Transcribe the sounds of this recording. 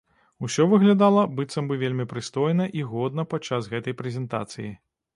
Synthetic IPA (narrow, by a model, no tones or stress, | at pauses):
usʲɔvɨɣlʲad̪alˠɐbɨt̪sɐmbɨvʲelʲmʲipɾɨst̪ɔjnɐʔiɣɔd̪̚nɐpat͡ʂːasɣɛt̪ɐjpɾɛzʲɛnt̪a̰t̪sɨji